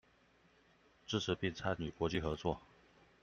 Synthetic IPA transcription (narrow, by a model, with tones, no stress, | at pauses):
ʈ͡ʂɻ̩˥˩ʈ͡ʂ̩ʰ˧˥pi˥˧˩ŋt͡sʰa˥ɪny˨˩kwɔ˧˥t͡ɕi˥˩xɤ˧˥t͡swɔ˥˩